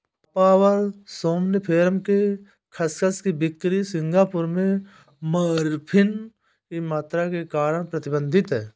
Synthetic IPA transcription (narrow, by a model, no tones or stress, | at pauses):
paːwəɾsoːmnəpʰeːɾmke | kʰəskʰəskibɪkt̪ɾisɪ̃ŋɡaːpʊɾmẽ | məɾpʰɪn | kimaːt̪ɾakekaːɾəɽ̃pɾət̪ɪbə̃nd̪ʱɪt̪ɦɛː